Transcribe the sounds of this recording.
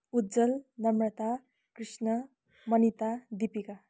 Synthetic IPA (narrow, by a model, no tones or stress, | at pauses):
udd͡zʌlnʌmɾʌt̪a | krisnʌ | mʌnit̪ad̪ipika